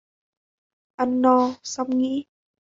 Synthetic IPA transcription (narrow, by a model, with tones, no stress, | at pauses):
ʔa˧˩nːɔ˧sa˧wŋ͡mŋḭ˧˥